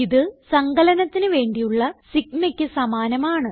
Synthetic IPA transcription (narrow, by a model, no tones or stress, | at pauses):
iðɨsɐŋɡɐlɐnɐt̪ːinɨʋe̞ːɳɖijuɭːɐsiknekʲːɨsɐmaːnɐmaːɳɨ